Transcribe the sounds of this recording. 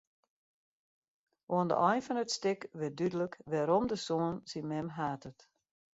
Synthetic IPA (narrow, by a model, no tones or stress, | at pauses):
ʔoəndə̰ʔɔjnfɔnətstɪkʋɪt̚dydələkʋɛɾɔmdəsoənsimɛmɦaːtət